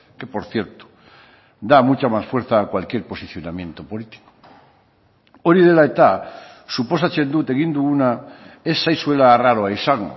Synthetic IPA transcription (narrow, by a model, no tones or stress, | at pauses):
ke̞poɾθjeɾt̪u̥ | d̪amut͡ʃamasfwe̞ɾθaːkwalkjeɾpo̞siθjo̞namjẽ̞nt̪opolit̪i̥ko̥ | oɾiðelaet̪a | supo̞sat͡ʃend̪ut̪eɣind̪uunaesːajswelaːraɾoajsaŋo̰